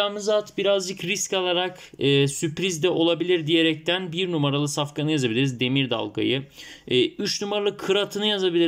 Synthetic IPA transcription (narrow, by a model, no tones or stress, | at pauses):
aːmɯzat̪biɾazd͡ʒɯkɾiscalˠaɾakː | sypɾizd̪ɛʔo̞lˠabilʲiɾd̪ije̞ɾɛc̚t̪ʰænbiɾnumaɾalˠɯsafkanɯjazabilʲiɾizd̪e̞miɾd̪a̰lˠɡa̰jɯː | yt͡ʃnumaɾalˠɯkʰːɯɾat̪ʰɯnɯjazabilʲi